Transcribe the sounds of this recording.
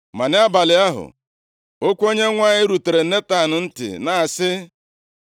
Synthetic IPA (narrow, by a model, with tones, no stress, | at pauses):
ma˨nɪ˦a˦ba˨lɪ˨˦a˦ɦʊ̰˨ | o˦kʷo˦ɲe˦ŋʷa˦˨ɲɪ˦ɾu˨te˨ɾe˨˦e˦ta˦˨nʊ˨n̩˦tɪ̰˨na˨a˨sɪ˦